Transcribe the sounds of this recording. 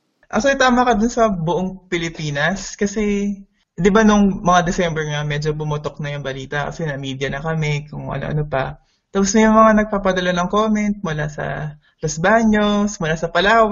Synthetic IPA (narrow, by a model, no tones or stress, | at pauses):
ʔɐ̰sojt̪aːmɐkɐd̪ʊnsɐbʊʔoŋpɪlɪpiːnɐskɐsɛ | d̪ɪbanʊŋmɐŋad̪ɛsɛmbɛɹŋɐmɛd͡ʒo̞bʊmʊt̪ok̚nɐjʊŋbɐliːt̪ɐkɐ̰sɛnɐmiːd̪jɐnɐkɐmɛkʊŋʔɐ̰noʔɐ̰nopɐ̰ | t̪ɐpʊsnɐjʊŋmɐŋanɐɡ̚papɐd̪ɐlanɐŋkoːmɛnt̪̚mʊlasɐ̰ | losbaːɲosmʊlasɐpɐlaːw